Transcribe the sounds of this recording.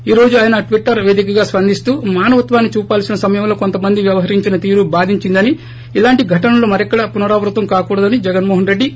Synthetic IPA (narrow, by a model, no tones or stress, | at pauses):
iːɾo̞ːd͡ʒuaːjɐnɐʈʋiʈːɐɾʋe̞ːd̪ikɐɡaːspɐnd̪ʱist̪uːmaːnɐʋɐt̪ʋaːnːit͡ʃuːpaːlsinɐsɐmɐjɐmlo̞ːko̞nt̪ɐmɐnd̪iʋjɐʋɐɦɐɾiɲt͡ʃinɐt̪iːɾubaːd̪ʱiɲt͡ʃind̪ɐni | ilaːɳʈiɡʱɐʈɐnɐlo̞ːmɐɾɛkːɐɽɐpunɐɾaːʋɾut̪ɐmkaːkuːɽɐd̪ɐnid͡ʒɛɡɐnmoːɦɐnɾe̞ɖːi